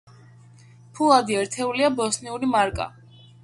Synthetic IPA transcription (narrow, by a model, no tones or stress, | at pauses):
pʰulˠad̪iɛɾt̪ʰɛuliabɔsniuɾimaɾkʼa̰